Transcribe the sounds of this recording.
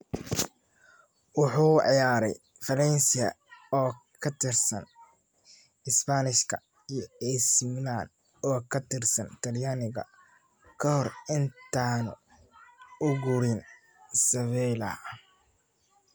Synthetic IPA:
wɑħuːʕjaːɾɛ̰j | fɐlɛnsɪɐ̰ | ɔːkʰɐt̪ʰɪrsɐn | ɪspanɪʃkʰɐ̰ | ijɛsmlaːn | ɔːkʰɐt̪ʰɪrsɐnt̪ʰɐljaːnɪɣɐ̰ | kʰɐhɔrɪnt̪ʰaːnʊ̰ | ʊɡʊɾɪn | sɐβɛlɐ

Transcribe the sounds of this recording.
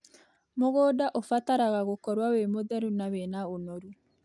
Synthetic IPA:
moɣɔːdaʔofataɾaɣaɣokɔɾwawemoðɛɾunawenaonoɾu

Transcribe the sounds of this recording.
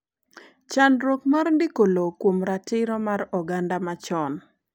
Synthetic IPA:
t͡ʃanɾokmarndɪkolokwomɾatɪɾɔmaɾɔɡandamat͡ʃɔn

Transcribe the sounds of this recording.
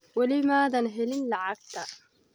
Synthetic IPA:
walɪmaːðanɦɪlɪnlaʕak̚t̪a

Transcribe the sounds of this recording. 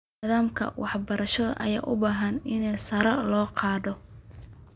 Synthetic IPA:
ɪðaːmkʰɐ̰wʔɑħbɐɾɐʃɐðɐ̰ʔɐ̰ja̰ːʔʊbaːɦɐnɪnɛjsɐɾɐlɔːqɑːðɔ

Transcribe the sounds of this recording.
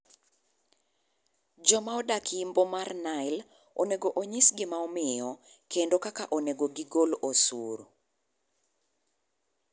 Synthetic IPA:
d͡ʒɔmaɔdakːmbomarnaɪl | oneɡoʔoɲisɡɪmaɔmɪjɔkendokakaʔoneɡoɡɪɡolosuɾ

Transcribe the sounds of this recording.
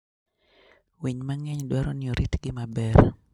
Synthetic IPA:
wiɲmaŋɛɲdwaɾɔnɪɔɾʔit̪ɡɪmabɛr

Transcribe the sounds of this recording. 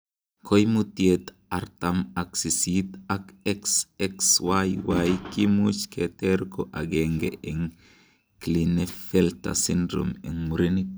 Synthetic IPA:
kojmut̪jet̪ | aɾt̪amaksisit̪akɛksɛkswajwajkimut͡ʃkʰeteɾkoʔaɡeŋɡḛʔeŋ | klinefelt̪a̰sindɾo̰meŋmuɾini

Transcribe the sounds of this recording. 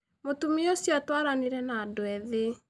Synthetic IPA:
motumiosjatwaɾaniɾɛnaːdoɛðe

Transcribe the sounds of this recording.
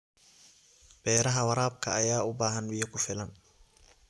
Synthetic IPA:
b̥ɛːɾɐɦɐwɐɾaːb̚kʰɐ̰ːjaːʊbaːɦɐnbijɐkʰʊfɪlɐn

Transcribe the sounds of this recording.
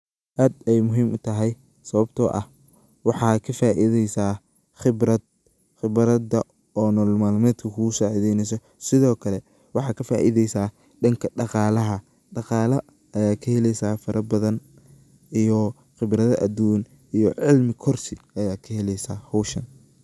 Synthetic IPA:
ʔaːd̪ɛjmʊɦiːmʔʊt̪ʰɐɦɛj | sɐβɐbt̪ʰɔːʔɐ̰h | wɑħɑːkʰɐfaːʔɪðɛjsaː | χɪbrɐd̪̚ | xɪβɾɐdɐ | ɔːnɔːlmaːlmɛːd̪kʰɐkʰʊʊsaːʕiðɛjnɛjs̬ɔ | sɪðɔːkʰɐlɛ | wɑħɑːkʰɐfaːʔɪðɛjsaː | ɖɐŋkʰɐɖɑqɑːlɐɦɐ | ɖɑqɑːlɐ | ɐjaːkʰɐhɛlɛjsaːfɐɾʔɐbɐðɐn | ʔijɔ | χɪbɾɐðɐʔɐd̪uːn | ijɔʕɪlmɪkʰɔrsɪɐjaːkʰɐɦɛlɛjsaːhɔwʃɐn

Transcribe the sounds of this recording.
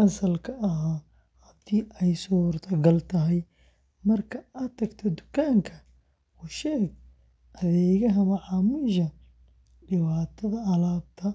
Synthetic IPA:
ʔɐsɐlkʰɐɐɦaː | hɐd̪̥iːʔɛjsuːrt̪ʰɐɡɐlt̪ʰɐɦɛj | mɐrkʰɐɐt̪ʰɐɡt̪ʰɔd̪ʊ̥kʰaːŋkʰɐ | ʊʃɛːɡ | ʔɐðɛːɣɐɦɐmɐʕɑmɪʃɐ | ɖɪβaːt̪ʰɐðɐɐlaːb̚t̪ʰɐ

